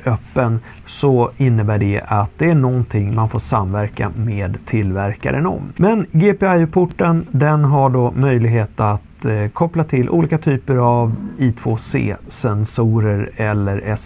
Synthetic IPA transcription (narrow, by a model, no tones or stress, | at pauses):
œpːən | sɔɪnːəbæːɖɛat̪̚d̪ɛæɳɔnt̪ʰɪŋːmanfo̰ːʂamvæɾka̰meːd̪t̪ʰɪlːvæɾka̰ɾʔə̰nɔ̰mmɛnɡeːpeajpʰʊʈːənd̪ɛnɦaɖoːmœjlɪɡɦeːt̪at̪kʰɔplat̪ʰɪlʔṵːliːkat̪ʰyːpəɾaviːt̪ʰv̥oːsḛːsɛnsuːɾəɾɛlːəɾɛs